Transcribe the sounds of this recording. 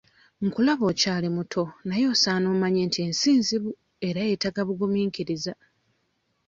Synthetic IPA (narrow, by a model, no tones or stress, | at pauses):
ŋ̩kulaβo̞ːcaːlimutʰo̞najo̞ːsaːnoːmaɲeːntie̞nsiːnziβu | e̞ɾajetaɡaβuɡumiːŋkiɾiza